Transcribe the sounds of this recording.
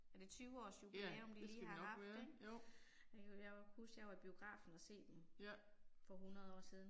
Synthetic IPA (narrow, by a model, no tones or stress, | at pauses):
æd̥e̝t͡sʰyːʊəɒ̰ːsjubeleɐɒ̽md̥iliːhɑ̈ɑ̈fdd̥e̥ | jæhusɡ̥jɑæb̥io̝ɡ̥ʁɑ̰̈ːfn̩æse̝̰ːd̥em | fɒ̽ɦunɐð̩ˠɒ̰ːsið̞ˠn̩